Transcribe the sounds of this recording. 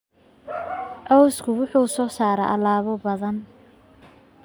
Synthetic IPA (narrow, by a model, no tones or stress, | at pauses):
ʔɔwskʰʊwʊħuːsɔːsaːɾɛ̰ʔɐlaːβɔbɐðɐn